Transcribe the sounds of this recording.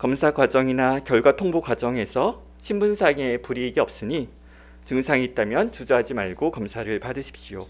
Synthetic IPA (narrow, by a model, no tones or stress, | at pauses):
kʌmsʰaɡwad͡ʑʌŋinakjʌɭɡwatʰoŋbokwad͡ʑʌŋe̞sʰʌ | ɕʰimbunsʰaŋepuɾiːɡiʌp̚s͈ɯɲi | t͡ɕɯŋsʰaŋiːt̚t͈amjʌnt͡ɕud͡ʑaɦad͡ʑimaɭɡokʌmsʰaɾɯɭpadɯɕʰi̥p̚ɕ͈ijo